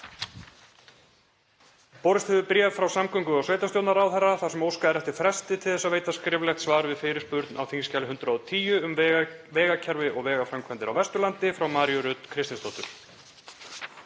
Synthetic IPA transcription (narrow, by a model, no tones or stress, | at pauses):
pɔɾɪst̪hɪðʏpɾjɛvfɾawsamkʰœŋkʏawsvejt̪ast̪jowt̪naɾawθɛrːaθḁsɛmowskaɛɾɛft̪ɪɾ̥fɾɛst̪ɪt̪ʰɪlθɛsːaveːjt̪askɾɪːvlɛxt̪svaːɾʏvɪðfɪːɾɪ̥spʏɾt̪nawθiŋscalɪɦʏnt̪ɾaɔt̪ʰiːjʏʏmvɛːɣacʰɛɾvɪʔɔɣvɛːɣafɾamkʰvɛnt̪ɪɾa̰wvɛst̪ʏlant̪ɪfɾawmaɾjʏɾʏt̪kʰɾɪst̪ɪnst̪oːht̪ʏɾ̥